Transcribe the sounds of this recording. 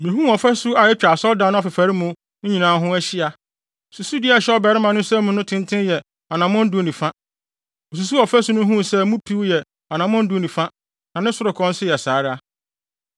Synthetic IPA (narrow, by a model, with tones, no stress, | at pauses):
mĩ˨ɦũ˦ɔ˨fɛ˦su˦a˨jɛ˦t͡ɕᶣa˨sɔ˦dã˨˦ñ˦ɔ˨fɪ˨fa˨ɾɪ˦mũ˨ | ɲ̩˦ɲĩ˨nãː˨˦ɦʊ̃˦æ˦ɕɪ˦a˨ | su˨su˦dɪ˦˨a˨ɕɛ˦ɔ˦bɛ˨ɾɪ˦mã˨nʊ̃˦sɛ˦mũ˨˦nʊ̃˦tʰɪ̃˦ntʰɪ̃˦njɛ˨ | a˨nã˨mʊ̃˦n̩˦dʊ˦o˨nĩ˨fã˦ | o˨s̬u˨s̬u˦ɔ˨fæ˦sʊ˦nʊ̃˦ɦũ˦˨sɛ˦mũ˦pʰi˦wjɛ˨ | a˨nã˨mʊ̃˦n̩˦dʊ˦o˦nĩ˨fã˦ | nã˨nɪ̃˦sʊ˦ɾʊ˨kʰɔ̃˦n̩˦sɪ˦jɛ˨saː˨˦ɾɪ˦a˦